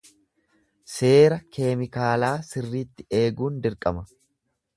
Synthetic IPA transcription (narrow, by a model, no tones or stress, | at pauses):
se̞ːɾɐkʰe̞ːmɪkaːlaːsɪrːiːt̪ːɪe̞ːɡuːnd̪ɪɾkʼɐmɐ